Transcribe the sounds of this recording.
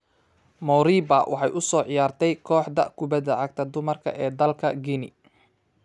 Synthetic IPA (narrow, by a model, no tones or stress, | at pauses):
mɔwɾiːbɐwʔɑ̰ħɑjʔʊsɔːʕɪjaːrt̪ʰɛjkʰɔːħd̪ɐ̰kʰʊbɐðɐʕɑɡ̚t̪ʰɐd̪ʊmɐrkʰɐ̰ʔɛːd̪ɐlkʰɐɡinɪ̰